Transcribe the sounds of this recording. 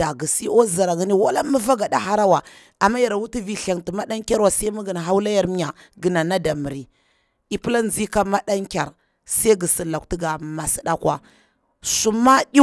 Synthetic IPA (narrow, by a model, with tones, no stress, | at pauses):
d̥a˨ɡi˨si˦o˦za˨ɾa˨ŋi˦ni˦wa˦la˦mə˦va˦ɡa˨ɗa˦ha˦ɾa˦wa˨ | a˨mːa˦ja˨ɾa˨wu˦ti˦vi˨ɬa˨ŋti˨ma˦ɗa˦ŋkʲa˦ɾwa˨sa˦mu˦ɡi˨n˨ɦa˦wla˦ja˨ɾmi˦ja˨ɡə˨na˨na˦da˨mə˨ɾi˨ | i˨pi˦la˦n˨zi˦ka˦ma˦ɗa˦ŋkʲa˨ɾ | sa˦ɡi˨si˨la˨k̚ti˦ɡa˨ma˨si˨ɗa˦kwa˦ | su˦ma˦ɗi˦